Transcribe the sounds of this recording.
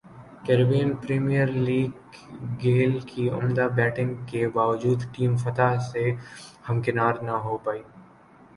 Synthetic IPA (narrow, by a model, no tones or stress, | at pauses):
kɛːɾbeːnpɾiːmijəɾliːɡː | eːlkiʊ̰md̪abɛːʈɪ̃ŋɡkebaːʋd͡ʒuːd̪ʈiːmfɐt̪asehɐmkɪnaːɾnɐɦopaːiː